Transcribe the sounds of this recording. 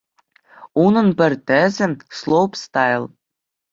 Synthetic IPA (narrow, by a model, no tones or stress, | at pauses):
unɤ̆npɘ̆rt̪ɘ̆zɘ̆nslˠopst̪ɑjlˠ